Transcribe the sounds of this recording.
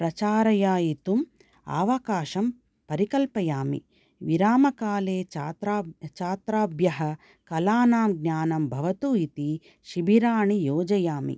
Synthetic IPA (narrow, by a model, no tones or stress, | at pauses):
pɾɐt͡ʃaːɾɐjaːjit̪um | a̰ːʋɐkaːʃɐm | pɐɾikɐlpɐjaːmḭ | ʋiɾaːmɐkaːleːaːt̪ɾaːt͡ʃaːt̪ɾaːbjɐɦɐ | kɐlaːnaːmɡɲaːnɐmbʱɐʋɐt̪uːit̪i | ʃibʱiɾaːɳijoːd͡ʒɐjaːmḭ